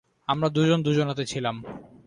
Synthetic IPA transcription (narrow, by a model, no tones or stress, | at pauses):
amɾad̪ud͡ʑond̪ud͡ʑonat̪et͡ɕʰilam